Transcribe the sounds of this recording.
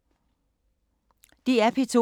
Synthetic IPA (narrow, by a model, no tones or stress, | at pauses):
d̥iæpʰit͡sʰo